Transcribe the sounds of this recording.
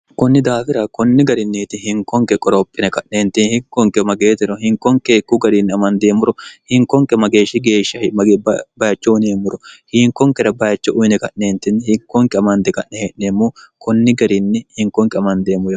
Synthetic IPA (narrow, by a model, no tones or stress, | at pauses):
kɔnːɪd̪aːfɪɾɐkɔnːɪɡɐɾɪnːit̪ɪhɪŋkːɔŋkɛkʼɔɾɔpʼːɪnɛkɐʔneːnt̪ɪnhɪkːɔŋkɛmɐɡe̞ːt̪ɛɾɔhɪŋkːɔŋkekːuɡɐɾinːɪɐmɐnd̪eːmːʊɾɔhɪŋkːɔŋkɛmɐɡe̞ːʃɪɡe̞ːʃːɐhɪmɐbɐjɐt͡ʃːɔʊneːmːʊɾɔhɪŋkːɔŋkɛɾɐbɐjɐt͡ʃːɔʔʊjnɛkɐʔneːnt̪ɪnːhɪkːɔŋkɛɐmɐnd̪ɛkɐʔnɛheʔneːmːuːkɔnːɪɡɐɾɪnːɪhɪŋkɔŋkɛɐmɐnd̪e̞ːmːʊ